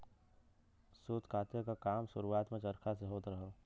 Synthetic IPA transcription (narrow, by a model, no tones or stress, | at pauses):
suːt̪kʰaːt̪jəkakaːmʃʊɾuaːt̪mẽt͡ʃɐɾkʰas̬eɦoːt̪ɾəɦoː